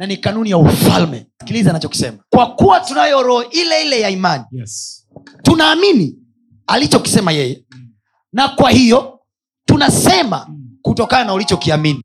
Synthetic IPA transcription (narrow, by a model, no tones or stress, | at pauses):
nanikanunijaufa̰lmɛ̰skilizaːnat͡ʃɔki̥sɛ̰makwakuwatunajɔɾɔʔilɛilɛjaimani | tunaːmini | alit͡ʃɔki̥sɛmajɛjɛ | nakwahijɔ | tunasɛma̰kutɔkananaulit͡ʃɔkiamini